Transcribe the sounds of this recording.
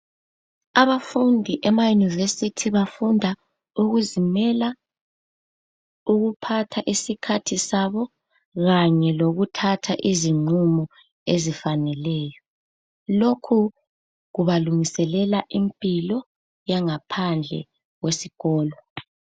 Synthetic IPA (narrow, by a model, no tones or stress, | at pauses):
aβafundʱiʔɛmajunivesitʰiβafundʱa | uɣuzimɛla | uɣupʰatʰaʔisikʰatʰisaβɔ | ɣaɲɛloɣutʰatʰaʔiziŋ͡ǃumɔ | ezifanɛlɛjɔ | lokʰu | ɣuβaluŋisɛlɛlaʔimpʼilɔ | jaŋapʰand͡ɮʱɛ̰ | ɣwesiɣɔːlɔ